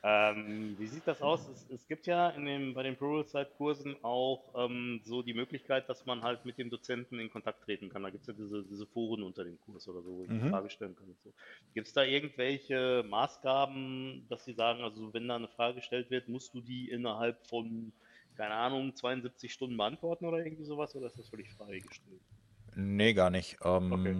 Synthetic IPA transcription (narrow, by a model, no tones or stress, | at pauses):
ʔɛːmviːziːt̚d̥asaʊsɛsɛsɡ̥iːp̚tjaːɪndeːmbaɪɾeːnpʰʊʁəlsaɪtkʰʊɐzn̩ʔaʊxʔɛːmzoːdiːmøːklɪçkʰaɪt̚d̥asmanɦaltmɪt̚d̥eːmdot͡sɛntn̩ɪnkʰɔntʰak̚tʁ̥eːtn̩kʰandaːɡiːp̚tsjaːdiːzədiːzəfoːʁ̞ənʔʊntɐdeːmkʰʊɐsʔoːdɐzoːvoːɪçdifaːɡəʃtɛlənkʰanʊz̥oːɡ̥iːp̚tsd̥aːʔɪɐɡŋ̩tv̥ɛlçəmaːsɡ̥aːbm̩d̥asz̥iːzaːɡŋ̩ʔalzozovɛndaːnəfʁ̥aːɡəɡəʃtɛltv̥ɪɐtmʊst̚d̥uːdiːʔɪnɐɦalpfɔn | kʰaɪnəʔaːnʊŋt͡sv̥aɪʊnzɪp̚t͡sɪçʃtʊndn̩bəʔantv̥ɔɐtn̩ʔoːɾɐʔɪɐɡŋ̩tv̥iːzoːvasʔoːɾɐɪstd̥asfœlɪçfʁ̥aɪɡəʃtʰɛlt | neɡaːɐnɪçʔɛːmː